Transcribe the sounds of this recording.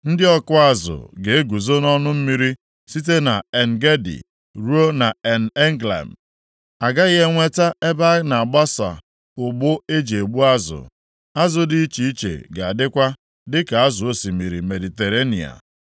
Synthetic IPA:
n̩˦dɪ˦ɔ˦kʊ˦a˦zʊ̰˨ɡe˨e˦ɡu˨zo˦nɔ˦nʊ˦m̩˦mi˦ɾi˦ | si˦t̬e˦na˨e˨n̩˨ɡe˦dḭ˨ | ɾu˦o˦na˨e˨n̩˨e˦ŋɡla̰˨m̩˨ | a˨ɡa˦ɣe˦ŋʷe˦ta˦ʔe˦ba˦na˨a˨ɡ͡ba˦sa̰˨ | ʊ˨ɡ͡bʊ˦e˦d͡ʒe˨e˨ɡ͡bu˦a˦zʊ̰˨ | a˦zʊ˨dɪ˦i˦t͡ʃi˨i˦t͡ʃḛ˨ɡa˨a˨dɪ˦kʷa˦ | dɪ˦ka˨a˦zʊ˨o˦si˨mi˨ɾi˨me˨di˨te˨ɾe˦nḭ˨a̰˨

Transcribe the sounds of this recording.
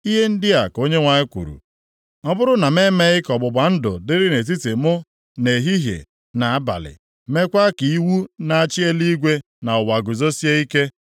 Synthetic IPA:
i˦ɦe˦n̩˦dɪ˦a˨ko˦ɲe˦ŋʷa˨ɲɪ˦kʷṵ˨ɾṵ˨ | ɔ˦bʊ˦ɾʊ˦na˨me˦me˦ɣɪ˦kɔ˨ɡ͡bʊ˨ɡ͡ba˨n̩˦dʊ̰˨dɪ˦ɾɪ˦ne˨t̬i˦te˨mʊ˦ | ne˨ɦi˦ɦjḛ˨ | na˨a˦ba̰˨lɪ̰˨ | me˦kʷa˦ki˨i˦wu˦na˨a˦˨t͡ʃɪ˦e˦li˦i˦ɡʷe˦ | na˨ʊ˨wa˨ɡʊ˨zo˦si˦e˦i˦ke˦

